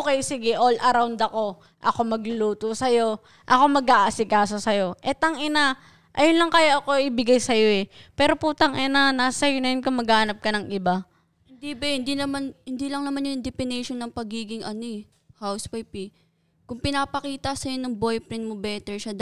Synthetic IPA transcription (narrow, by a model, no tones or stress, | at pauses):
kɛjsɪɡɛʔolʔɐɾawnd̪ɐko̞ | ʔɐko̞mɐɡlʊluːt̪osɐjo̞ | ʔɐko̞mɐɡaːʔɐsɪkaːso̞sɐjo̞ʔɛt̪ɐŋʔɪna | ʔɐjonlɐŋkajaʔɐko̞ʔɪbɪɡajsɐjo̞ɛpɛːɾo̞put̪ɐŋʔɪnanaːsɐjonɐjɪnkʊŋmɐɡaːhnɐp̚kɐnɐŋʔɪba | ɪnd̪ibɐhɪnd̪inɐmanhɪnd̪ilɐŋnɐmanjond̪ɪpɪnɛjʃonːɐŋpɐɡiːɡɪŋɐnoɛ | hawswɐjpi | kʊŋpɪnaːpɐkiːt̪ɐsɐjonɐŋbojpɾɪnmobɛːt̪ɛɹʃɐd̪